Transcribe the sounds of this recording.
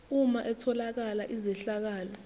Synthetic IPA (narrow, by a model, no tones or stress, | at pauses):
umaʔɛtʰɔlak̬alaʔizɛɬak̬aːlɔ